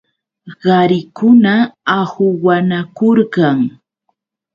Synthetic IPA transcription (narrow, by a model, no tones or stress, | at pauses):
ɢɑɾɪkʊnaahʊwanakoɾɢɑŋ